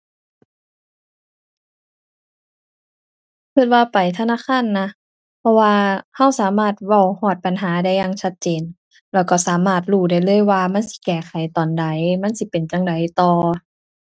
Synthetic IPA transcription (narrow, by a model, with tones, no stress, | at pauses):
kʰɯ˧˩t̪̚waː˧pa˨˩jt̪ʰa˧naː˧˥˨kʰaː˧˥˨nːa˧˥ | pʰɔ˧waː˧ha˧˩˨wsaː˨˦maː˧˩t̪̚wa˧˩whɔː˧˩t̪̚pa˨nɦaː˨˦da˧˨jːaː˧˨ŋt͡ɕʰa˧t̪̚t͡ɕeː˨n | lɛː˧˩wkɔː˧˩saː˨˦maː˧˩t̪̚ɾuː˧˩da˧˩jlɤː˧˥˨jwaː˧ma˧˥˨nsi̥˧˦kɛː˧˩xʰa˨˩jt̪ɔː˨˩nda˨˩jma˧˥˨nsi˧˦pe˨˩nt͡ɕa˧˨ŋda˨jt̪ɔː˧